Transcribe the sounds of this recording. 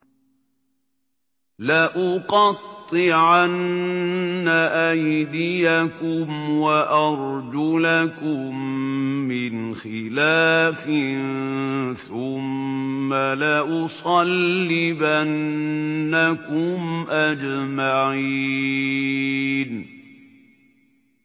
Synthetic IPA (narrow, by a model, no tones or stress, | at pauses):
laʔʊqɑt̪ˤːɨʕanː | aʔajd̪ɪjakʊmwaʔɑɾˤd͡ʒʊlakʊmː | ɪnxɪlaːfnθʊmː | alaʔʊsˤɑlːibanː | akʊmʔad͡ʒmaʕiː | n